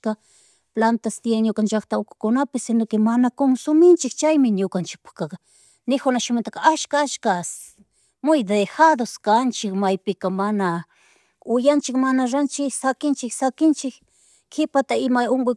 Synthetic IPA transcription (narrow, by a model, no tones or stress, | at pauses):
ka | plant̪ast̪jeŋɲʊkant͡ʃakt̪aʊkʊ̥kʊnapɪsɪnokɪmanakoŋsʊmɪnt͡ʃɪkt͡ʃajmɪɲʊkant͡ʃɪ̥k̚pḁkak | nɪkʊnaʃʊmɪnt̪akaaʃkaat͡ʃkas | mʊjd̪exad̪oskant͡ʃɪkmajpɪkamana | ʊjant͡ʃɪkmanaɾant͡ʃɪsakɪnt͡ʃɪksakɪnt͡ʃɪk | kɪpat̪aɪmaoŋɡʊ